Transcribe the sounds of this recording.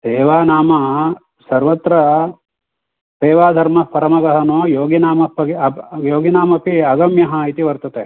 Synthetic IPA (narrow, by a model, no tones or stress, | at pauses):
seːʋaːnaːmɐ | sɐɾʋɐt̪ɾɐ | seːʋaːd̪ʱɐɾmɐpɐɾɐmɐɡɐɦɐnoːjoːɡinaːmɐpɐɡiɐjoːɡinaːmɐpiɐɡɐmjɐɦɐit̪iʋɐɾt̪ɐt̪e